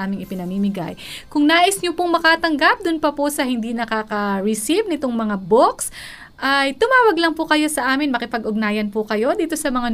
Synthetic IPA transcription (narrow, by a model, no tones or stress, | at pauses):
ʔaːmɪŋɪpɪnɐmiːmɪɡa̰jkʊŋnaːʔɪsɲopʊŋmɐkat̪ɐŋɡap̚d̪ʊnpɐposɐhɪnd̪inɐkaːkɐɹɪsivnɪt̪oŋmɐŋaboks | ʔajt̪ʊmaːwɐɡlɐŋpʊkɐjo̞sɐʔaːmɪnmɐkɪpɐɡʔʊɡ̚naːjɐnpʊkɐjo̞d̪iːt̪o̞sɐmɐŋa